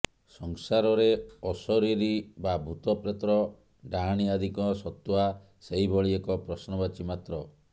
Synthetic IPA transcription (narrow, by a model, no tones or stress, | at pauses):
sɔŋsaɾɔɾeɔsɔɾiɾibabʱut̪ɔpɾet̪ɾɔ | ɖaɦaɽ̃iad̪ʱikɔsɔt̪ua | seɦibɔɭiekɔpɾɔsnɔbat͡ʃimat̪ɾɔ